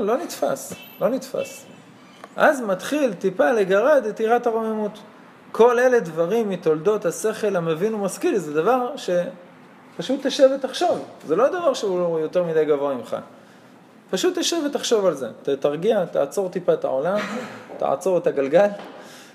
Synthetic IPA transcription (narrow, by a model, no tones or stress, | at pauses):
lo̞nit̪fa̰slo̞nitfa̰s | ʔa̰zmatχilt̪ipaleɡaʁed̪etiʁathaʁo̞memut̪ | kʰo̞le̞le̞dvaʁimit̪o̞ld̪o̞t̪hase̞χe̞lamevinumaskilzed̪avaʁʃe̞ | paʃut̪ːeʃevetaχʃo̞vzelo̞ad̪avaʁʃeuojo̞teʁmid̪ajɡavoaimχa̰ | paʃut̪ːeʃevetaχʃo̞valze̞̰tetaʁɡiat̪a̰ʕt͡so̞ʁt̪ipaeta̰o̞lamt̪a̰ʕa̰t͡so̞ʁetaɡalɡal